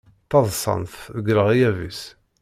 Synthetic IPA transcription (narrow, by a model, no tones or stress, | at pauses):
t̪ɑðˤsˤɑ̰nθəɡɾəʁijævḭs